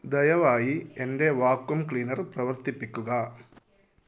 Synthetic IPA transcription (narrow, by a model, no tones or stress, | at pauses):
d̪ɐjɐʋaːjiɛnɖeːʋaːkːumkliːnɐɾpɾɐʋɐɾt̪ɪpːɪkːɯɣaː